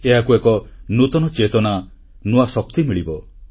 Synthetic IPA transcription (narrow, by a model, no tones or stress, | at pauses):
eɦakuekɔnut̪ɔnɔt͡ʃet̪ɔna | nuasɔk̚t̪imiɭibɔ